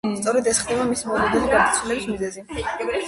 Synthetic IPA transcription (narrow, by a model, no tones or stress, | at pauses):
t̪sʼɔɾɛd̪ɛsχd̪ɛbamisimɔlɔd̪ɛniɡadt̪sʰilɛbismizɛzi